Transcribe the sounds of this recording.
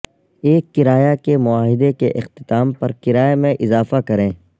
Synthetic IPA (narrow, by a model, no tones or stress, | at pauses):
eːkːɪɾaːjakemʊaːɦɪd̪ekeʔɪxt̪ɪ̥t̪aːmpɐɾkɪɾaːjemẽʔɪzaːfakɐɾẽː